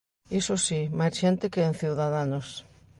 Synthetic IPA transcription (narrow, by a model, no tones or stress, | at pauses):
isosimajsʃɛnt̪ɪkeɛnθiwðaðanos